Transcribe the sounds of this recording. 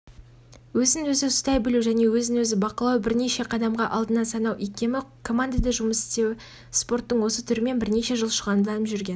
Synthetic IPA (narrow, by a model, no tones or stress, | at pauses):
wɵzɪnwɵzɪʊst̪ɑjbɪluʒæne̞wɵzɪnwɵzɪbɑqəlˠɑwbɪɾne̞ʃe̞qʰɑd̪ɑmʁɑʔɑlˠd̪ənɑsɑnɑwʔekʲe̞mɪkʰo̞mand̪ad̪ɑʒʊməsɪ̥st̪e̞wɪ | spo̞rt̪ːəɴwo̞sət̪ʰʏɾɪme̞nbɪɾne̞ʃe̞ʒəlˠʃəʁɑnd̪əlˠɑnəpʒʏɾɡʲe̞n